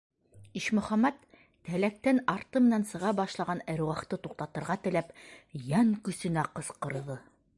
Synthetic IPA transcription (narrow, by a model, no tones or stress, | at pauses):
iʃmɵ̆χæmːæt̪ː | ælæk̚t̪ænɑɾt̪ɤmɘ̆nænsɤ̆ʁɑbɑʃlˠɑʁɑnæ̆ɾwɑχt̪ɤt̪uq̚t̪ɑt̪ɤ̆ɾʁɑt̪ɘ̆læpjæŋkɵ̆sɵ̆næqɤ̆sqɤ̆ɾðɤ